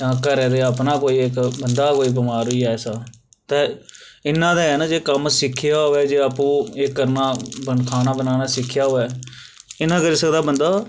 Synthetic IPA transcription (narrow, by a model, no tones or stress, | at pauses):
ãːkəɾẽːd̪eːəpnaːkoːiːɪkbənd̪aːkoːiːbəmaːɾʊiːɛːɛsaː | t̪ẽːɪnːãːd̪aːɦɛːnãːd͡ʒeːkəmsɪkʰːɪjaːɦoːʋɛːd͡ʒeːapũːekːəɾnaːbənkʰaːnaːbənaːnaːsɪkʰːɪjaːɦoːɛː | ɪnãːkəɾiːsəkd̪aːbənd̪aː